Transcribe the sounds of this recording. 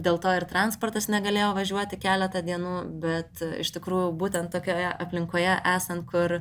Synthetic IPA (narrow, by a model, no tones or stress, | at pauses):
d̪ʲeːlˠt̪oːɪrt̪ɾɑnspoːrt̪ɐsnʲɛɡɐlʲeːjoːʋɐʒʲuɔt̪ʲɪkʲæːlʲɛt̪ɐd̪ʲiɛnuːbʲɛt̪ɪ̰ʃt̪ʲɪkɾuːjʊbuːt̪ʲɛnt̪tːoːkʲoːjɛʔɐpʲlʲɪŋkoːjɛʔæːsɐnt̪̚kʊr